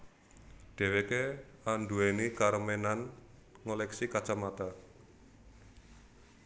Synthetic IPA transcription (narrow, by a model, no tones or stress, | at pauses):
ɖ̥e̤wekeanduenikaɾmenan | ŋolɛksikḁt͡ʃamat̪a